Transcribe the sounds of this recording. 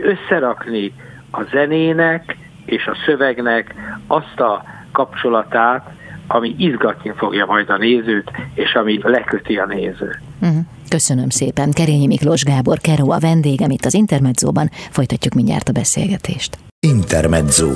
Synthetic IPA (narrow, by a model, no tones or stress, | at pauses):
øsːɛɾɒkni | ɒzɛneːnɛk | eːʃɒsø̞vɛɡnɛkɒst̪ɒ | kɒp̚t͡ʃo̞lɒt̪aːt̪ | ɒmiʔizɡɒt̪nifo̞ɡjɒmɒjd̪ɒneːzøːt̪eːʃɒmilɛkøt̪iɒneːzøːm̩ɦ̩ | kø̞sønømseːpɛnkɛɾeːɲimikloʒɡaːbo̞rkɛɾoːɒvɛnd̪eːɡɛmit̪ːɒzint̪ɛrmɛd̪zo̰ːbɒnfo̞jt̪ɒcːukmiɲɟa̰ːrt̪ɒbɛsḛːlɡɛt̪ʰeːʃt̪ | int̪ɛrmɛd̪zoː